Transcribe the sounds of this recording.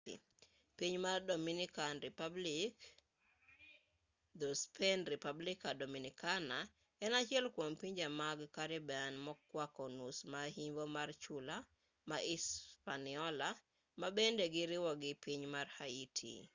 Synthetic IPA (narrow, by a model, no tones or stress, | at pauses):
piɲmardominikanɾipablik | d̪ɔspʰɛnɾipablikadominikana | ɛnat͡ʃɪɛlkwompiɲd͡ʒamaɡkaɾɪbɛanmɔkːwakɔnusmahiɲbɔmart͡ʃula | maʔispanɪɔla | mabendeɡɪɾɪwɔɡɪpiɲmarhaitʰḭ